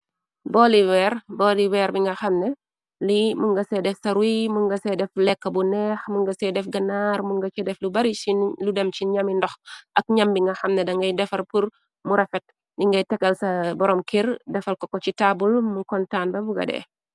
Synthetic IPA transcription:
bɔliwɛrbɔːliwɛːɾbiŋɡɐxɐmnɛ | limuŋɡɐsɛdɛfsɐɾwimuŋɡɐsɛdɛflɛkːəbunɛːxmuŋɡɐsɛdɛfɡɐnaːrmuŋɡɐt͡ʃidɛflubɐɾisiludɐmt͡ʃiɲɐmindɔxɐk̚ɲɐmbiŋɡɐxɐmnɛdɐŋɡɐjdɛfɐrpur | muɾɐfɛt̚ | ndiŋɡɐjtɛkːɐlsɐbɔɾɔmkirdɛfɐlkɔkːɔcitaːbulmukɔntaːnbɐbuɡɐ̰dɛ̰ː

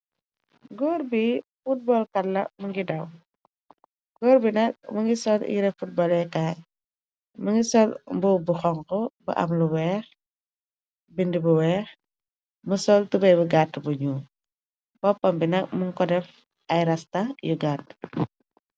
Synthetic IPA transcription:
ɡɔːrbifut̚bɔlkɐlːɐ̰muŋɡidɐw | ɡ̥ɔːɾbinɐk̚muŋɡisɔlḭɾɛfut̚bɔlɛkaj | muŋɡisɔlmbubuxɔŋkɔbɐ̰ʔɐ̰mluwɛːx | bindibuwɛːx | musɔltubɐjbuɡatːbuɲu | b̥ɔpːɐmbinɐk̚muŋkɔdɛf | ɐjɾɐstɐjuɡaːtː

